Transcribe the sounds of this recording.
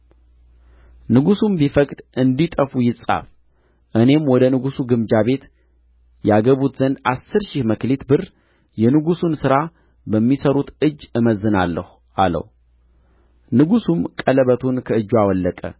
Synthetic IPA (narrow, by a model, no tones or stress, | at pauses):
nɨɡusumbifəkʼd̪̥ɨnd̪it̪ʼəfujɪsʼa̰f | ʔɨne̞mwɔd̪ənɨɡusuɡɨmd͡ʒaβe̞t̪ | jɛaɡəβut̪zənd̪asːɨɾʃɪhməklet̪bɨr | jɛnɨɡusunsɨɾa | bəmːisəɾut̪ɨd͡ʒːɨməzːɨnalːə̰hu | ʔalə̰w | nɨɡusumkʼələβət̪ʰunkʰəɨd͡ʒːuawɔlːəkʼə̰